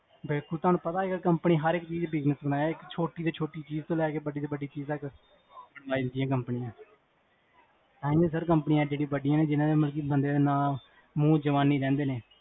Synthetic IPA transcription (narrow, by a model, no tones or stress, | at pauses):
bɪlkʊlt̪ʊɦaːnũːpət̪aːeɡəɾkəmpniːɦəɾɪkt͡ʃiːzbɪɡnəsbənaːjaːɪkt͡ʃʰoːʈiːd̪eːt͡ʃʰoːʈiːt͡ʃiːzt̪õːlɛːkeːbəɖiːd̪eːbəɖiːt͡ʃiːzt̪ək | bəɽaːd̪ɪnd̪ijãːkəmpnijãː | t̪ãːĩːeːsəɾk̬əmpənɪjãːd͡ʒeːɽĩːbəɖijãːneːd͡ʒɪnãːd̪eːməlk̬iːbənd̪eːd̪eːnãː | mũːd͡ʒəʋaːnːiːɾɛ̃ːnd̪eːneː